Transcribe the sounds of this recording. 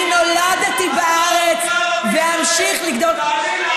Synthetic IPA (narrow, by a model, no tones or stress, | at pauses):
no̞lad̪at̪ibaʔaʁet͡s | veamʃiχliɡd̪ol